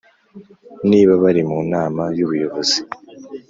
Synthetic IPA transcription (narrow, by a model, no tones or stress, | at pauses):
niːβaβaɾimunaːmajuβujo̞βo̞z̥i